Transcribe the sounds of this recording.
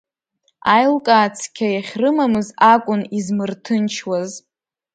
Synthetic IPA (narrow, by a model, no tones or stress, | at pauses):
ajlkʼaːt͡sʰkʲʰajaχʲrɨmamɨzakʷʼʊnizmɨrtʰɨnt͡ʃʰwaz